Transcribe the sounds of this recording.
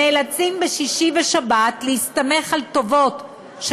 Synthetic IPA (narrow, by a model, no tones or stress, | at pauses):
elat͡simbeʃiʃiveʃabatlehist̪ame̞χalt̪o̞vo̞t | ʃ